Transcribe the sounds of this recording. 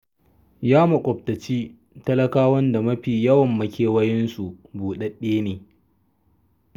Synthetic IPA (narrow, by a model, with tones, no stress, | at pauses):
jaː˦mɐ˨kʷʼɔ˨p̚tɐ˨t͡ʃiː˦ | tɐ˦lɐ˦kaː˦wɐ˦nda˨mɐ˦ɸiː˨jɐ˦wɐ˨mːɐ˦kʲeː˨wɐ˦jɪ˦nsu˨buː˨ɗɐ˦ɗeː˦neː˨